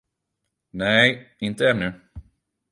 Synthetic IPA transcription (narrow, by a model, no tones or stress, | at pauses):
nɛɪnt̪əɛnːɵ